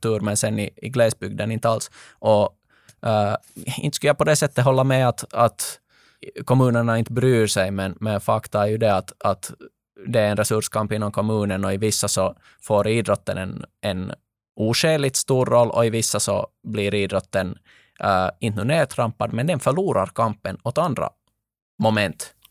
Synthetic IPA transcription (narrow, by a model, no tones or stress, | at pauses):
t̪ʉːɾmɛnsɛnːɪɪɡlɛːsbʏɡd̪ənɪnt̪ːəals | ʔɔ | ɪ̰nt̪əskɵljapɔd̪ɛsɛt̪ːəɦɔlːamɛat̪at̪ | kʰɔmʉ̟ːnəɳaɪnt̪əbɾyːɾʂɛjmɛnmɛnfakt̪aæɾjʉd̪ɛat̪at̪ | d̪ɛæɾɛnɾɛsɵʂkʰampɪnːɔmkʰɔmʉːnənɔɪvɪsːasɔ | foːɾiːd̪ɾɔt̪ːə̰nɛnʔɛn | uːʂeːlɪt̪st̪uːɾːɔlːʔɔ̰ɪvɪsːasɔ̰bliːɾiːd̪ɾɔt̪ːən | ɪnt̪nʊneːt̪ʰɾampːad̪mɛnd̪ɛnfœɭuːɾaɾkʰampənɔt̪and̪ɾa̰ | mɔmɛnt̪